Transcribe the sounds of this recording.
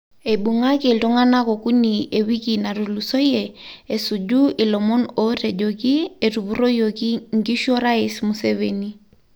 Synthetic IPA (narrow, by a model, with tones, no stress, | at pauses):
e˨ɓu˨ŋa˦ke˨ltu˦ŋa˦na˦ko˨ku˦nie˨wi˦kina˨ɾu˨lu˨so˦je˨e˨su˨d͡ʒu˦i˨lɔmɔ˦no˦ɾe˨d͡ʒo˨ki˦e˨tu˨pu˦ɾo˦joki˦ŋki˦ʃɔ˦ɾa˦esmu˨seveni˦